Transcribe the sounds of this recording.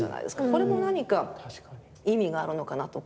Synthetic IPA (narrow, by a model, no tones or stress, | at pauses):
a̰na̰ḭd̪e̞sɨ̥kako̞ɾe̞mo̞naɲ̟ikḁ | imʲiɡaːɾɯ̟no̞kanat̪o̞